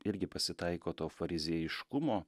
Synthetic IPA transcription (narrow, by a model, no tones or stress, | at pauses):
ɪɾʲɡʲɪpɐsʲɪt̪ɐɪkoːt̪oːfɐɾʲɪzʲeɛjɪʃkʊmoː